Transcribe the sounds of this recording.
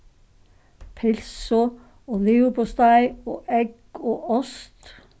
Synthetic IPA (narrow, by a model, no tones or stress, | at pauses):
pʰɛlso | oːleːʊpɔst̪æɪoːʔɛɡ̥ | oːɔst̪